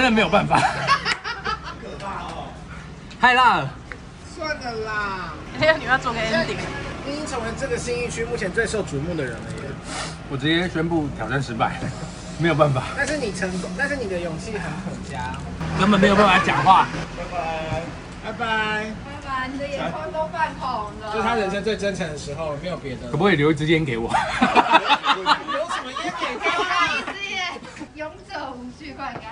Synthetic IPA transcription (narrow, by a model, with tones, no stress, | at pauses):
ə˥nə˨m˧˥jo˨˩ʊpa˥˩nfa˨˩ | kʰə˨˩pa˥˧˩ɔ˨˩ | ha˥ɪla˥˩ | swa˥˩nd̪ə˨˩lə˨˩ | e˥jo˥˩ni˨˩jt͡swɡə˧ə˥˦n˥li˨˩ŋi˥i˥ŋt͡sʰə˧˥ŋwə˧˥nʈ͡ʂɤ˥˩ɡə˨˩ɕi˥ŋi˥˩t͡ɕʰy˥mu˥˩t͡ɕʰjɛ˧˥nt͡swe˥˧ɪʂo˥˩ʊt͡su˨mu˥˩d̪ə˨ɻə̰˧˦nə˧˥˩ | wɔ˨˩ʈ͡ʂɻ̩˧˥t͡ɕjɛ˥ɕɥɛ˥npu˥˩t̪ʰjɑ˨˩ʊʈ͡ʂa˥˩nʂɻ̩˧˥pa˨˩˦ɪ | m˧˥jo˨˩ʊpa˥˩nfa˨˩t̪a˥˧nʂ̬ɻ̩˥˩ni˨˩ʈ͡ʂʰə˧˥ŋk̪ʊ˥ŋt̪a˥˧nʂ̬ɻ̩˥˩ni˨˩d̪ə˦jʊ˨˩ŋt͡ɕʰi˥˩xə˨˦nxʰə˨˩nt͡ɕja˥˨ | kə˧˦nmbə˨me˧˥jo˨˩p̬a˥˩fa˧˩t͡ɕjɑ˨˩ŋxwa˥˨˩pa˥˩ɪba˨˩˧ | pa˧˩ɪpa˧˦ɪ | a˧˩a˧˨˩jɛ˨˥a˥t̪o˥fa˥˧npʰɔ˨˩ŋd̪ʰa˥ɻə˧˥nʂ̬ə˥nt͡swe˥˩ɪʈ͡ʂə˥nʈ͡ʂʰə˧˥ŋd̪ə˨˩ʂɻ̩˧˥xo˥˨ʊ˨me˧˥ɪjo˨˩pjɛ˧˥d̪ə˧kʰpu˧˥we˥˩ljo˧˥ʊi˥˩t͡sɹ̩˦t͡ɕjɛ˦nke˧˥ɪwɔ˨˩˦ | jo˧˥ʊʂə˨˦mə˧i˥ɛ˥˩˥a˥˧˩t͡s̩˥ɛ˨˩ | jo˧˥ŋt͡so˨˩˨y˥˧kwa˥˩˥